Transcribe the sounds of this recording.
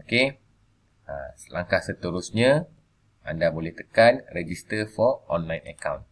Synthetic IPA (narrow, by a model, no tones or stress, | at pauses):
oke | əsəlaŋkahsət̪əɾusɲã | ʔandabolɛht̪əkanrɛd͡ʒist̪əfɔʔɔnlajnə̰kawn